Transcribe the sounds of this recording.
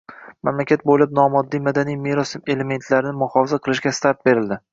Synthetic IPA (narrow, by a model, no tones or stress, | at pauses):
mamlakʲat̪̚bolɪp̚nɒmɒd̪ːijmad̪anijmeɾose̞le̞me̞nt̪ʰlaɾɪnɪmʊhɒfɪzaqʰɨlˠɪʃɡʲast̪ʰaɾt̪̚be̞ɾɪld̪ɪ